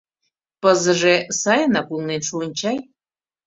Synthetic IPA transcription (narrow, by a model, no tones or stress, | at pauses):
pəzə̆ʒesɑjənɑkulˠnenʃuənʲt͡ɕɑj